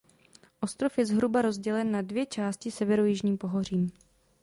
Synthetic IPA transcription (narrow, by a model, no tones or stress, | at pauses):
ʔo̞st̪ɾo̞fjɛzɦɾubaɾo̞zɟɛlɛnːadvjɛt͡ʃaːscɪsɛvɛɾojɪʒɲiːmpo̞ɦo̞r̝iːm